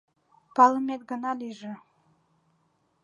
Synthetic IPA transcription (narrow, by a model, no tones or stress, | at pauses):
pɑləmet̪̚ɡə̆nɑliʒə̆